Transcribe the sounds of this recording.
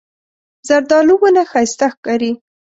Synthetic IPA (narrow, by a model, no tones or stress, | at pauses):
zaɾd̪ɑluwənaxajst̪axkɑɾi